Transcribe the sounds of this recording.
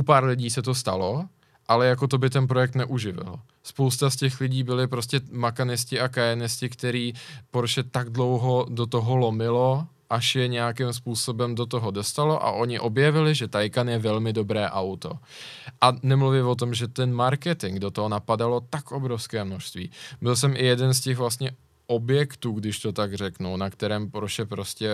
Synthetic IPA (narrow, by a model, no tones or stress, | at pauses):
ʔupaːɾlɪɟiːsɛt̪o̞st̪a̰lo̞ | ʔalɛjak̬o̞t̪o̞bɪt̪ɛnp̬ɾo̞jɛkt̪nɛʔuʒɪvɪ̰l | spowst̪ascɛxlɪɟiːbɪlɪpɾo̞scɛmakanɪscɪakajɛnɪscɪkt̪ɛɾiːpoɾʃɛt̪aɡ̚dlo̞wɦodot̪oɦolo̞mɪlo̞ | ʔaʃjɛɲɛjakɪmspuːso̞bɛmdo̞t̪oɦodo̞st̪alo̞ʔa̰ʔo̞ɲɪʔo̞bjɛvɪlɪʒɛt̪ajkanjɛvɛlmɪdo̞bɾɛːʔawt̪o̞̰ʔanɛmluvɪvo̞t̪̬o̞mʒɛt̪ɛnmaɾkɛt̪ɪŋɡdot̪oɦonapadalo̞t̪akʔo̞bɾofskɛːmnoʃst̪vḭːbɪls̬ɛmʔɪjɛdɛnscɛɣvlast̪ɲɛ | ʔobjɛkt̪uːɡdɪʃt̪o̞t̪aɡrɛknuwnakt̪ɛɾɛːmpoɾʃɛpɾo̞scɛ